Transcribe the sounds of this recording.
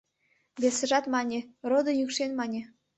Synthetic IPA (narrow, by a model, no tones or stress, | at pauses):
βʲesɘ̆ʒɑt̪mɑnʲĕrod̪ɤ̆jykʃenmɑnʲĕ